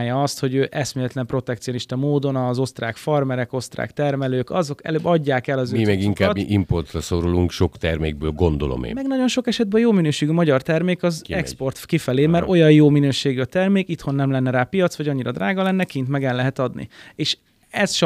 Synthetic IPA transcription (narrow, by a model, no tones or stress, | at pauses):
jɒɒst̪ho̞ɟøːʔɛsmeːlɛt̪lɛmpro̞t̪ɛk̚t̪sijo̞niʃt̪ɒmoːd̪o̞nɒzo̞st̪raːkfɒrmɛɾɛko̞st̪ra̰ːkt̪ɛrmɛløːkɒ̰zo̞kɛ̰løːbːɒɟːaːkɛlɒzøimɛɡiŋkːtbʔimport̪rɒso̞ɾoluŋkʃo̞kt̪ɛrmḛːɡ̚bøːlɡo̞nd̪olo̞̰mḛːmɛɡnɒɟo̞nʃo̞kɛʃɛd̪̚bɛɒjoːminøːʃeːɡymɒɟɒrt̪ɛrmeːkɒzɛkspo̞rt̪kifɛleːmɛɾʔo̞jɒjjoːminøːʃeːɡyɒt̪ɛrmeːkit̪ho̞nːɛmlɛnːɛɾaːpijɒt̪sʋɒɟɒɲːiɾɒd̪raːɡɒlɛnːɛkint̪mɛɡɛlːɛɦɛt̪ɒd̪nḭeːʃ | ɛsʃ